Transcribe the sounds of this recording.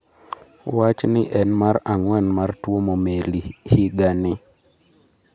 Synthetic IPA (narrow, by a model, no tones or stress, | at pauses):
wat͡ʃnɪʔɛnmaɾaŋwɛnmartwomomelihɪɡanɪ